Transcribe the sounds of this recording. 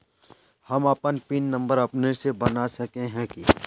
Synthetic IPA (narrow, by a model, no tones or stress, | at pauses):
hɐmɐpənpiːnːɐ̃mbəɾɐpnesebɐnasɐkẽɦɛ̃ki